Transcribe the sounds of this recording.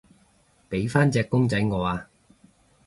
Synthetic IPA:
pe˨˥jfaː˥nt͡sɛː˧kːʊ˥ŋt͡sɐ˨˥jŋɔː˨˧aː˧

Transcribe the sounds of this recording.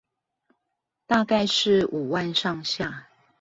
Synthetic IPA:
t̪a˥˧ka˥˧ɪʂɻ̩˥˩u˨˩wa˥˧nʂɑ˥˧ŋɕja˥˨

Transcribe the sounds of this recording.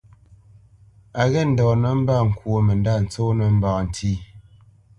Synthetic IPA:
a˨ɣɛ˦n̩˨dɔ˨nə˨˦m̩˦ba˦˨ŋ̩˨kwo˨mə˨nda˦˨n̩˨t͡so˦nə˨m̩˦ba˨kn̩˨tʰi˦

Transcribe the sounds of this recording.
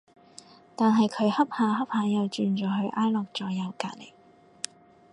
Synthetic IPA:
t̪aː˨nɦɐ˨jkʰɵ˨˧ɥhɐ˥p̚haː˨˧˥ɦɐ˥p̚haː˨˧˥jɐ˨˧wt͡ʃyː˨nt͡ʃɔː˨˩hɵ˧ɥʔaː˥jlɔː˨k̚t͡ʃɔː˨˥jɐ˨˧wkaː˧t̚lɪ˨˩k̚

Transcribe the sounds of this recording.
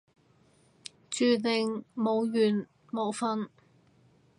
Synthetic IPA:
t͡ʃyː˨˧lɪ˨ŋmo˨˧wjyː˨˩n | mo˨˧wfɐ˥n

